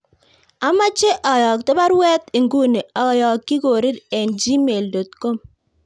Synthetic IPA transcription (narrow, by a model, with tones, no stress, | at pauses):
a˨˦ma˦t͡ʃe˦ʔɔ˨jɔ˨k̚tɪ˦ba˦ɾwɛ˦t̪i˨ŋɡu˦ne˨ɔ˨˦˨jɔ˨kːi˦ɡo˨ɾi˦ɾɛ˨nd͡ʒi˦me˨ldo˨t̚ko˦m